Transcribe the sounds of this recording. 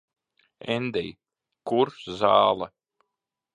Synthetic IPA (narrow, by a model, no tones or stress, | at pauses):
ɛnd̪ɛj | kuɾzaːlˠa